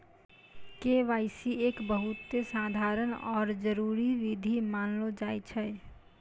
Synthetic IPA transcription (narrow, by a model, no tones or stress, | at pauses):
keʋaɪsiekbəɦut̪ːesad̪ʱaɾənɔːɾd͡ʒəɾuɾiʋid̪ʱimanlod͡ʒajt͡ʃʰɛ